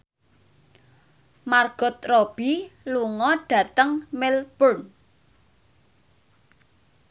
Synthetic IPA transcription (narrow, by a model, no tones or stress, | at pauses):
marɡ̥ɔ̤t̪̚rob̥iluŋɔɖ̥ä̤t̪əŋmɪlpʊn